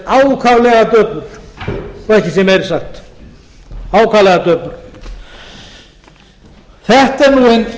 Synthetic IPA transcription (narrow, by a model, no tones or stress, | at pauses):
aːwkʰavlɛɣat̪œːpʏɾ̥ɔɾɛhcɪsjɛmejɾsaxt̪ | aːwkʰavlɛɣat̪œːpʏɾ̥ | θɛht̪ɛɾnuːen